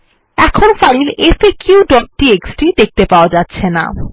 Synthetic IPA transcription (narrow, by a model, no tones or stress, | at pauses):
ɛkʰonfaɾilefekjuɖɔʈ̚ːieksʈid̪ek̚t̪epaoad͡ʑat̪ːɕʰena̰